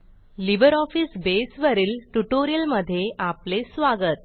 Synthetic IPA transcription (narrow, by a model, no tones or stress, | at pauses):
libəɾɔfiːsbesʋəɾiːlʈuʈoɾijəlməd̪ʱːjeʔaplesʋaɡət̪̚